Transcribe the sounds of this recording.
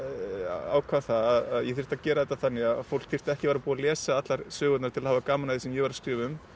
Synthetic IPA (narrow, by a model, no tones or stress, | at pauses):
a̰ːwkʰvaθaðaðaðjɛθir̥t̪aðcɛːɾaðɛt̪ːaθanːɪɣaðfowl̥kθir̥t̪ɛhcɪvaɾapuːalɛːsaat̪laɾsœːɣʏt̪naɾt̪ʰɪlahaːvakaːmanaðɪsɛmjɛvaɾḁskɾɪːvʏm